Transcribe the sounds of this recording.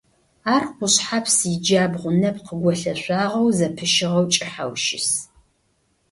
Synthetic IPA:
aːrqʷʊɕħapʰsɪd͡ʒaːbʁʷʊnɐpqəɡʷɔɬɐɕʷaːʁɐwzɐpʰɨʃɪʁɐwt͡ʃʼɪħa̰wʃɪ̰s

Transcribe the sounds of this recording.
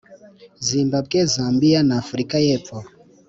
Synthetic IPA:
zimbab̚ɡɛzambianaːfɾikajɛpɔ

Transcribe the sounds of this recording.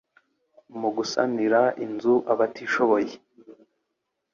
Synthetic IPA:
muɡusa̰niɾainzuʔaβatiːʃo̞βo̞je

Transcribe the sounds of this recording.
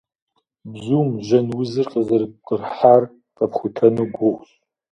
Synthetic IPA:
bzuːmʒɐnwʊzɨrqəzɐrp̚qərħar | qʼɐpχʷʊtʰɐnuɡʷʊχʷɕ

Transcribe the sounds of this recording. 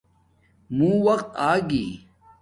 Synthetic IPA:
mũːwɐqt̪aːɡiː

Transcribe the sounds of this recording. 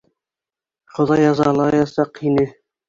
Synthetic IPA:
χŏðɑjɑzɑlˠɑjɑsɑqhinɘ

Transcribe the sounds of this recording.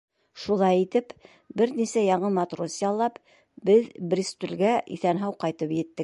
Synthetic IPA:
ʃulˠɑjit̪ɘp | bɘɾnisæjɑɴɤmɑt̪rosjɑlˠːɑp | bɘðbrʲist̪ʉ̆lɡæʔḭθænɦɑwqɑjt̪ɤpjɘ̆t̪ːɘk̚

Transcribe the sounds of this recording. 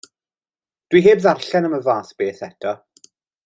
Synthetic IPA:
d̥wiɦeːbðarɬɛnəməvaːsb̥eːθɛtʰɔ

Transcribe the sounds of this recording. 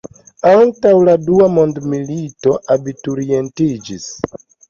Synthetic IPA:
antawladuamo̞ndmilito̞ʔabituɾie̞ntid͡ʒis

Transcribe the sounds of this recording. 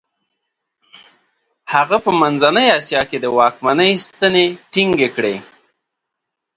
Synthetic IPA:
haɣapəmanzanəjɑsjɑked̪əwɑkmanəjst̪əneʈiŋɡekɽe

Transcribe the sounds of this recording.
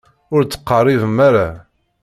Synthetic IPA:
ʊɾt͡sːə̥qːɑrˤːivəmːaɾa

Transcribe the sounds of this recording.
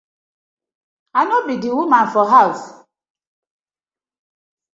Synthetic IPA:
anɔbidiwumãnfɔɦaʊs

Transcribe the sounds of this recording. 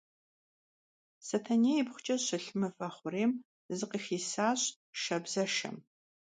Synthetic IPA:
sɐtʰɐneːjɪbχʷʊt͡ʃʼɐɕɐɬɨmɐfɐχʷʊreːm | zɨqixiːsaːɕ | ʃɐbzɐʃɐ̰m

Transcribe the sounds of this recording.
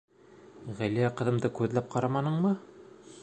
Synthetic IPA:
ʁæliæqɤ̆ðɤ̆md̪ɤkʉðlæp̚qʰɑɾɑmɑnɤɴmɤ

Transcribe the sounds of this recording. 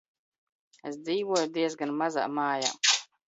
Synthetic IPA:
esd̪ziːvuɔjud̪iɛzɡanmaza̰ːmaːja̰ː

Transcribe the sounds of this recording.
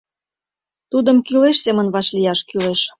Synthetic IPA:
t̪ud̪ə̆mkyleʃsemə̆nβɑʃlijɑʃkyleʃ

